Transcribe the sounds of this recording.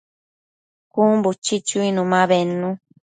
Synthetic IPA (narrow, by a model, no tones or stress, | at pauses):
kumbut͡ʃit͡ʃuinũmãβenːũ